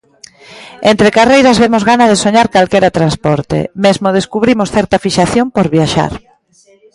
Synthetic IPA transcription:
ent̪ɾekarejɾɐzβemozɣanaðesoɲaɾkalkeɾat̪ɾanspɔɾt̪ḛmezmoð̞eskuβɾimosθɛɾt̪ɐfiʃaθjompoɾβjaʃa̰ɾ

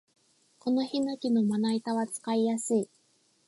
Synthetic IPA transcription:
ko̞no̞henakʲino̞manait̪aβat͡sɨ̥kaijasɨi

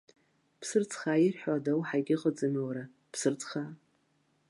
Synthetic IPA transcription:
pʰsɨrt͡sʰʼχaːirħʷᶣadawħajɡʲʼɪqʼət͡sʼɨmwaɾa | pʰsɨrt͡sʰʼχaː

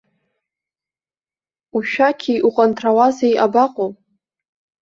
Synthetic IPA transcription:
uʃᶣakʲʰiʔuqʼantʰrawazajʔabaqʼopʼ

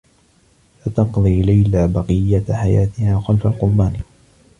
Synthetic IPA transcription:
fat̪ɑqðˤiːlajlaːbɑqɨjːaħajaːt̪ɪhaːxalfalqʊɾˤbaːni

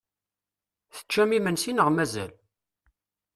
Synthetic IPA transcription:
θə̥t͡ʃːæmimənsinəʁmæzæ̰l

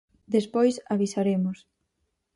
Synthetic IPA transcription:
d̪espojsaβisaɾemʊs

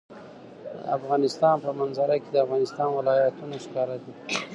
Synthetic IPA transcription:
afɣɑnɪst̪ɑnpəmanzaɾaked̪əafɣɑnɪst̪ɑnwɪlɑjat̪unoʃkɑɾad̪i

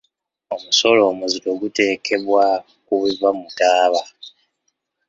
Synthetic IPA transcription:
o̞muso̞lo̞ːmuzito̞ɡute̞ːkʰe̞βwa | kuβiβwamutaːβa

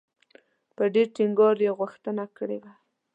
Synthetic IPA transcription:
pəɖeɾʈiŋɡɑɾjeɣʊxt̪ənakəɽed̪a

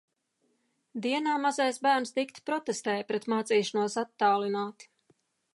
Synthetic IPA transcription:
d̪iɛnaːmazajsbæːɾnst̪ikt̪pɾɔt̪ɛst̪ɛːjpɾɛt̪maːt̪siːʃanuɔsat̪ːaːlˠinaːt̪

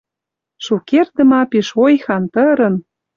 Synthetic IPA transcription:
ʃukerd̪ə̆mɑpiʃojxɑnt̪əɾɤ̆n

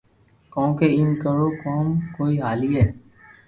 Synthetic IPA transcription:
kõːkeːɪnkəɾoːkoːmkoːiːɦaːliːɦɛː

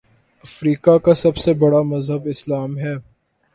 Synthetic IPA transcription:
ɐfɾiːkakasɐbsebɐɽamɐzɦəbɪslaːmɦɛː

